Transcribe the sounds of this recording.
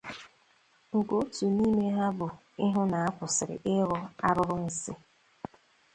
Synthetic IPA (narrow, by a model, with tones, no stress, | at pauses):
ŋ̩˨ko˨˦tu˨ni˦me˦ɦa˦bʊ˨ | ɪ˦ɦʊ˦na˨a˦kʷʊ˨sɪ˨ɾɪ̰˨ʔɪ˦ɣɔ˦a˦ɾʊ˦ɾʊ˦n̩˨sɪ˦